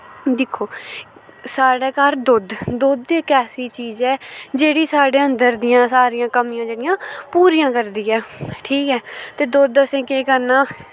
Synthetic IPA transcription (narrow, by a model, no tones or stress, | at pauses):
d̪ɪkʰoː | saːɽeːkaːɾd̪ʊd̪d̪ʊd̪ekɛːsiːt͡ʃiːzɛːd͡ʒeːɽiːsaːɽeːənd̪əɾd̪ɪjãːsaːɾijãːkəmijãːd͡ʒeːɽɪjãːpuːɾijãːkəɾd̪iːɛːʈʰiːkɛːt̪eːd̪ʊd̪əsĩːkeːkəɾnaː